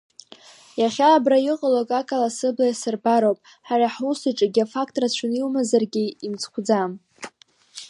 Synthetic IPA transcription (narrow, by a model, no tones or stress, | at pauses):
jaχʲaːbrajɪqʼalakʼakʼalasɨblajasɨrbaɾowpʼ | ħaraħusɨʈ͡ʂʼaɡʲiafak̚ʰʼtʼrat͡ɕʷʰʊniumazarɡʲiimt͡sʰχʷd͡zam